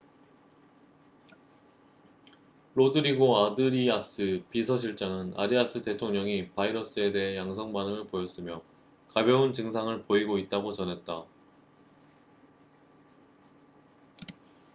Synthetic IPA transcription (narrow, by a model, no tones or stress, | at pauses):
ɾodɯɾiɡoadɯɾias͈ʰɯpisʰʌɕ̬ʰiɭt͡ɕ͈aŋɯna̰ɾias͈ʰɯte̞tʰoŋɲʌŋipaiɾʌs͈ʰɯe̞de̞ɦe̞jaŋsʰʌŋmanɯmɯɭpojʌs͈ɯmjʌ | kabjʌunt͡ɕɯŋsʰaŋɯɭpoiɡoit̚t͈aɡot͡ɕʌnɦe̞t̚t͈a